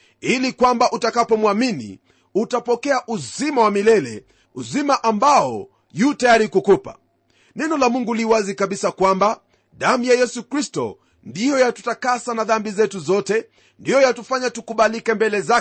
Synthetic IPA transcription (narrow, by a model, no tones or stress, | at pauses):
ilikwambaʔutakapɔmwaminḭ | utapɔkɛaʔuzimawamilɛlɛ | uzimaʔambaɔ | jutajaɾikukupa̰ | nɛnɔlamuŋɡuliwazikaɓisakwamba | ɗam̩jajɛsukɾistɔ̰ | ndijɔjatu̥takasanaðambizɛtuzɔtɛ | ndijɔjatufaɲatukuɓalikɛmbɛlɛza